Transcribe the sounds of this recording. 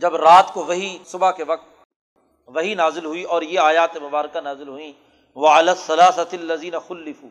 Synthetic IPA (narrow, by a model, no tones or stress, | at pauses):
d͡ʒɐbɾaːt̪koʋɐɦisʊbakeʋɐk̚t̪ | ʋɐɦinaːzɪlɦuiʔɔːɾjeaːjaːt̪emʊbaːɾkanaːzɪlɦʊĩ | ʋɐalaːsːɐlaːsɐɐlːɐziːnɐxʊlːɪfṵː